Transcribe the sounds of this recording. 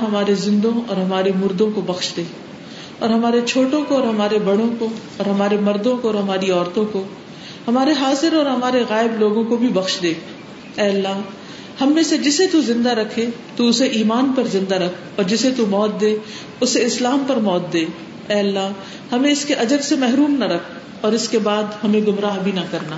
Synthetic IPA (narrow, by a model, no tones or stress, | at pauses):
ɦɐmaːɾezɪ̃nd̪õɔ̰ːɾɦɐmaːɾemʊɾd̪õkobɐxʃd̪eː | ɔːɾɦɐmaːɾet͡ʃʰoːʈõkoːɾɦɐmaːɾebɐɽ̤õko | ɔːɾɦɐmaːɾemɐɾd̪õkoɔːɾɦɐmaːɾiɔːɾt̪õko | hɐmaːɾeɦaːzɪɾɔːɾɦɐmaːɾeɣaːɪbloːɡõkobʱibɐxʃd̪eː | ɛːɐlːaːɦ | hɐmːẽsed͡ʒɪset̪uzɪ̃nd̪aɾɐkʰet̪uʊseʔiːmaːnpɐɾzɪ̃nd̪aɾɐkʰɔːɾd͡ʒɪset̪umɔːt̪̚d̪eː | ʊseɪslaːmpɐɾmɔːt̪̚d̪eː | ɛːɐlːaː | hɐmẽɪskeʔɐd͡ʒəɾsemɛɦɾuːmnɐɾɐkʰ | ɔːɾɪskebaːd̪hɐmẽɡʊmɾaːɦbʱinɐkɐɾnaː